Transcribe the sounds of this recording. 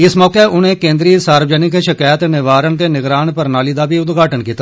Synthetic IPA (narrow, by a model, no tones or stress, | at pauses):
ɪsmɔːkeʔʊn̤ẽːkẽːnd̪ɾiːsaːɾʋd͡ʒənɪkʃɪkaːjət̪nɪʋaːɾənt̪enɪɡɾaːnpəɾnaːliːd̪aːbʱiʊd̪ɡʱaːʈənkiːt̪a